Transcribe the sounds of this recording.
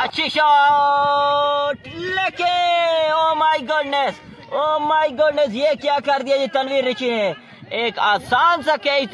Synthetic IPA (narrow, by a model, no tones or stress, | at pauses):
ɐtːʃʰiʃo | leːkeoːmajɡʊɖnes | oːmaiɡʊɖnes̬jekjaːkɐɾd̪ijaːd͡ʒit̪ɐnʋĩːɾːɪt͡ʃʰine | eːkaːsaːnsãkei